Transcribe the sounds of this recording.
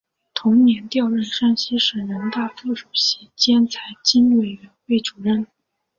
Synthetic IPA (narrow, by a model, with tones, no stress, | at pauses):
t̪ʰʊ˧˥ŋnjɛ˧˥nt̪jɑ˥˧ʊɻə˥˧nʂa˥˧nɕi˥ʂə˨˩ŋɻə˧˥nt̪a˥˧fu˥˩ʂu˨˩ɕi˧˥t͡ɕjɛ˥nt͡sʰa˧˥ɪt͡ɕi˥n˥˩we˨˩ɪɥɛ˧˥nxwe˥˩ɪʈ͡ʂu˨˩ɻə˥˩n